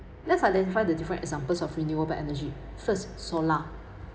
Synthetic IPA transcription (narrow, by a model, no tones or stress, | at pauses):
lɛtsajdɛ̃ntifajdədifəɹə̃ntɛ̰ɡzãmpəlsɔfɹinuəbaʔɛnəd͡ʒi | fəssɔla